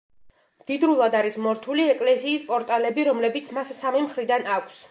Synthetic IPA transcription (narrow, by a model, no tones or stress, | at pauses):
md̪̥id̪ɾulˠad̪aɾismɔɾt̪ʰuliɛkʼlɛsiːspʼɔɾt̪ʼalɛbiɾɔmlɛbit̪sʰmassamimχɾid̪anakʷʰs